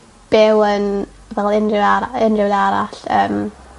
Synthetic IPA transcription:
b̥ɛwən | vɛlˠɪndrɪaɾaɪndrɪwðaɾa̰ɬəːm

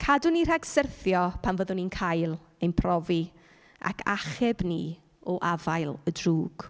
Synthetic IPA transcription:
kʰadʊnir̥aɡsərθjɔpʰanvəðʊninkʰajlˠ | ejnpʰrɔvi | a̰kʰa̰χɛbni | ɔʔavajlˠədruːɡ̥

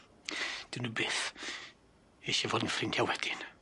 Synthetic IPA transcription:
d̥ɪwnubeːθ | eʃivoːdn̩frɪŋkʰjawɛd̥ɪn

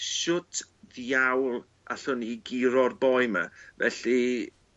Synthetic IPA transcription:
ʃʊtʰðawlˠ | ʔaɬʊniɡiɾɔrbɔjma̰vɛ̰ɬi

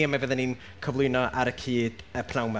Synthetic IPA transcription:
əmavəðɛnin | kʰəvlˠʊɨnɔʔaɾəkʰiːd̥əpʰn̥awma

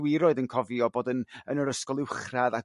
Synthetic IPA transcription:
wɪɾɔɨðənkʰɔvjɔboːdənənəɾəskɔlˠɪwχraða

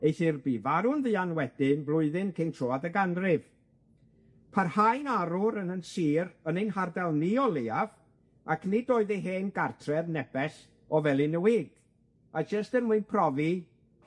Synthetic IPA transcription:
ejθirbivaɾʊnðɨanwɛd̥ɪnblˠʊɨðɪnkʰejntʰroːadəɡanrɪv | pʰarhajnaɾʊɾənənsiːɾənejnhardɛlˠniɔlˠeav | akʰnɪdoːɨðeɦeːnɡartʰrɛðnɛb̥ɛs | ɔvɛlˠɪnəwiːɡ̥ | ad͡ʒəstənmuɨnpʰrɔvi

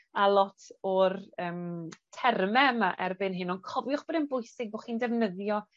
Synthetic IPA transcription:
alˠɔtʰɔrəːmtʰɛrmɛmaʔɛrbɪnɦɨnɔnkʰɔvjʊχb̥ɔdənbʊjsɪɡ̚boχiːndɛvnəðjɔ

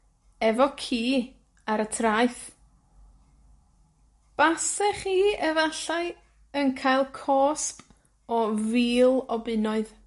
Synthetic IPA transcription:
ɛvɔkʰiː | aɾətʰraɨθ | b̥asɛχiːɛvaɬaɨ | ənkʰajlˠkʰɔːsp | ɔviːlˠɔbɪnɔɨð

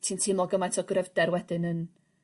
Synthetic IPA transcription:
tʰiːntʰɪmɔɡəmatʰɔɡrɛvdɛɾwɛdɨnən

